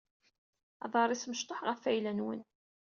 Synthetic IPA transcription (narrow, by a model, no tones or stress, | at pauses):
ɑ̰ðˤɑɾˤisməʃt̪ˤoħʁəfæjlænwə̰n